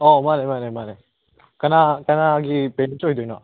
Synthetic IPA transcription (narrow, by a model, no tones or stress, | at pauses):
ɔmanemanemane | kanakanaɡipentɔjd̪ɔjnɔ